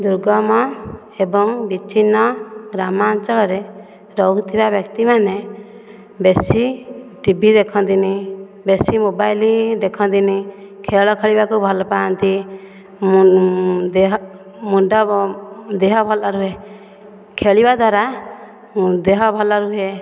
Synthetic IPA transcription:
d̪uɾɡɔmɔ | ɛbɔŋbit͡ʃʰinːɔɡɾamaːnt͡ʃɔlɔɾɛ | ɾɔɡt̪ʰibabjɔkt̪imanɛ | besiʈibʱid̪ɛkʰɔnd̪ini | besimobajlid̪ɛkʰɔ̃nd̪ini | kʰeɭɔkʰeɭibakubʱɔlɔpaant̪i | muɖɔ | d̪ɛɦɔbʱɔlaɾuɦe | kʰeɭibad̪waɾa | d̪ɛɦɔbʱɔlaɾuɦe

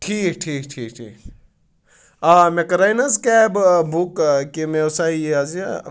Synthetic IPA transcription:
ʈʰiːk̚ʈʰiːk̚ʈʰiːkʈʰiːk | amekɐɾajnɐskɛbbukkimeosaieazia

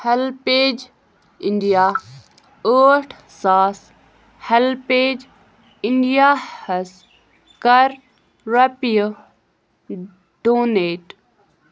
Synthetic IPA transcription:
hɐlpeːd͡ʒ | iɳɖijaː | əːʈʰ | saːs | helpeːd͡ʒ | iɳɖijaːhɐs | kɐɾ | ɾɐpjə | ɖoːneːʈ

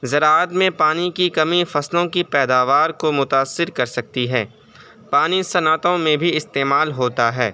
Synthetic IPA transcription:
zɐɾaːət̪mẽpaːnikikɐmifɐslõkipɛːd̪aːʋaːɾkomʊt̪aːsːɪɾkɐɾsɐk̚t̪iɦɛː | paːnisɐnaːt̪õmẽbʱiɪst̪eːmaːlɦoːt̪aɦɛː

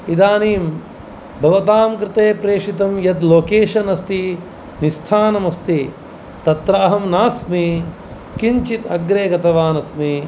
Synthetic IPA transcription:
id̪aːniːm | bʱɐʋɐt̪aːmkɾɪt̪eːpɾeːʂit̪ɐmjɐd̪loːkeːʃɐnɐst̪i | nist̪ʰaːnɐmɐst̪i | t̪ɐt̪ɾaːɦɐmnaːsmi | kiɲt͡ʃit̪ɐɡɾeːɡɐt̪ɐʋaːnɐsmi

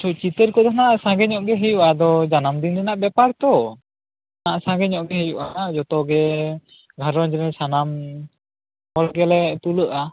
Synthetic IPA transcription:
t͡ʃʰɔt͡ʃit̪əɾkɔd̪ʱanaʔsãɡɛɲɔʔɡɛɦɛjuʔad̪ɔd͡ʒanamd̪inɾɛnaʔbɛpaɾt̪ɔ | naʔsãɡɛɲɔʔɡɛɦɛjuʔad͡ʒɔt̪ɔɡɛ | ɡʱaɾɔnd͡ʒɛnɛsanam | hɔlɡɛlɛt̪uləʔa

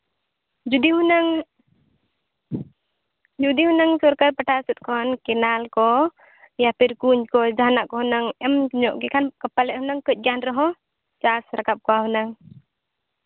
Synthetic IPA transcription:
d͡ʒud̪iɦunaŋ | d͡ʒud̪ihunaŋsɔɾkaɾpəʈasut̪̚kʰɔnkɛnalkɔ | japiɾkuɲkɔd͡ʒaɦanaʔkɔɦunaŋɛmɲɔʔkɛkʰankəpːalɛhunaŋkəc̚ˀɡanɾɔɦɔ̃ | t͡ʃasɾakap̚kɔaɦunaŋ

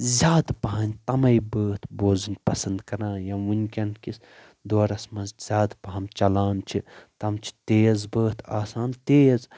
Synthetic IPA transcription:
zʲaːd̪pɐɦɐnʲt̪ɐmɐibəːt̪ʰboːzɨnpɐsɐnd̪kɐɾãːjaʋunʲkʲɐnkis | d̪oːɾɐsmɐztʲz̥ʲaːd̪pɐɦɐmt͡ʃɐlaːnt͡ʃʰit̪ɐmt͡ʃʰi̥t̪eːzbəːt̪ʰaːsaːnt̪eːz

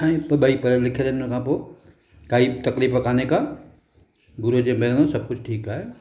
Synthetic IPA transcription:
ĩpɐɓaːipɐɾəlɪkʰed̪ekʰãpoː | kaːit̪ɐkliːfɐkʰaːneka | bʊɾod͡ʑẽmelnõsɐb̚kʊd͡ʑʱʈʰiːkaːɦeː

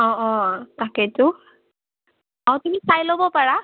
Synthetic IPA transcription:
ɔ̃ʔɔ̃takɛtʊ | aw̃tumisajlobɔpaɹa

